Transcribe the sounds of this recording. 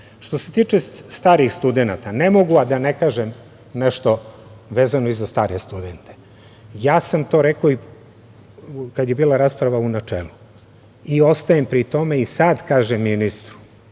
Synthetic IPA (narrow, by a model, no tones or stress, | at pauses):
ʃt̪o̞se̞t̪iːt͡ʃest̪aːɾixst̪ud̪enat̪anemoɡuad̪anekaːʒem | neʃt̪o̞ʋeːzano̞izast̪aːɾest̪ud̪ent̪e̥ | jaːsamt̪o̞ɾekoi | kad̪jebiːlaɾaːspɾaʋaunat͡ʃḛːlu | io̞st̪ajempɾit̪o̞me̞isad̪kaːʒemːinist̪ɾu̥